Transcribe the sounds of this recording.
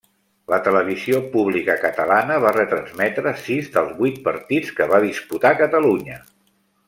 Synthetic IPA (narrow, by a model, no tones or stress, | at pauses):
lət̪ələβ̞iziopuβlikəkət̪əlanəβ̞arət̪ɾənzmɛt̪ɾəsizðəlˠzβwujt̪̚pəɾt̪it͡skəβaðisput̪akət̪əluɲə